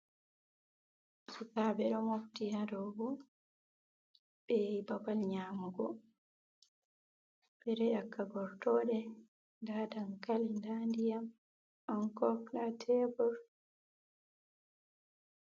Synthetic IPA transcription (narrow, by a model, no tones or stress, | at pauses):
sukaːbɛɗɔmoftihadɔɡɔ | bɛjaibabalɲaːmuɡɔ | bɛɾɛakːaɡɔɾtɔɗɛ | ndaːdaŋkalindandijam | ʔɔnkɔknatʰɛbɔɾ